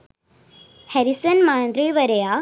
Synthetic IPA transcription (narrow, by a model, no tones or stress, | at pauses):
hɐɾisɐnmaːnd̪ɾiɭʋɐɾɐjaː